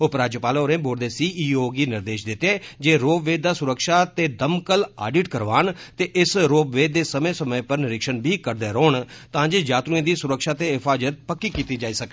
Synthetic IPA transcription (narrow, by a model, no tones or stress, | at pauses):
opɾaːd͡ʒəpaːloːɾẽːboːɾd̪eːsiːʔiːoːɡiːnɪɾd̪eːʃd̪ɪt̪eːd͡ʒeːɾoːbʋeːd̪ːaːsʊɾəkʃaːt̪eːd̪əmkəlaːɖɪːʈkəɾʋaːnt̪eːʔɪsɾoːbʋeːd̪eːsəmẽːsəmə̃ːpəɾnɪɾɪkʃənbʱiːkəɾd̪eːɾoːɳt̪ãːd͡ʒeːd͡ʒaːt̪ɾuẽːd̪iːsʊɾəkʃaːt̪eːɦɪpʰaːd͡ʒət̪̚pəkːiːkiːt̪iːd͡ʒaːiːsəkː